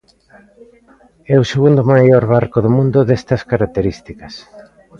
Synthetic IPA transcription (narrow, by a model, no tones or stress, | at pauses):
ɛʊseɣund̪ʊmajoɾβaɾkoðomũnd̪ʊðest̪ɐskaɾak̚t̪eɾist̪ikɐs